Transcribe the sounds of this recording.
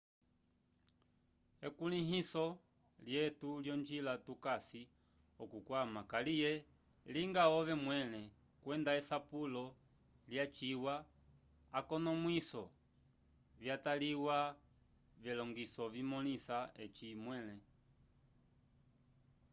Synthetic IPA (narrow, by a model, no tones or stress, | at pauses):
ɛkuliɦisɔ | ljɛtuljɔnd͡ʒilatukasi | ɔkukwamakalijɛ | liŋɡaɔvɛmwɛlɛ | kwɛndaɛsapulɔ | ljat͡ʃiwaː | kɔnɔmwisɔ | vjataliwa | vɛlɔŋɡisɔvimɔlisaɛ̰t͡ʃimwɛlɛ